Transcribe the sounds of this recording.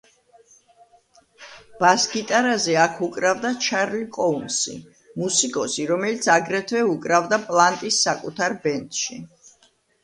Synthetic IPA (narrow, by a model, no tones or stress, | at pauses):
b̥asɡit̪ʼaɾazɛakʰukʼɾavd̪at͡ʃʰaɾlikʼɔunsḭ | musikʼɔsiɾɔmɛlit̪sʰaɡɾɛt̪ʰvɛukʼɾavd̪apʼlˠant̪ʼisːakʼut̪ʰaɾbɛnt̪ʼʃi